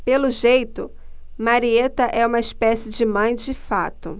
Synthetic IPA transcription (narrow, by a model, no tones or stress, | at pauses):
pelʊʒejt̪ʊ | maɾiet̪ɐʔɛũmɐispɛsɪd͡ʒɪmɐ̃j̃d͡ʒɪfa̰t̪ʊ